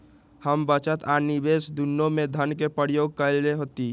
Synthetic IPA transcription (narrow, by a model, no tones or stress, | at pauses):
həmbət͡ʃət̪aːnibeːsd̪unːõmẽd̪ʱənkepəɾjoːɡ̚kəlleɦoːt̪i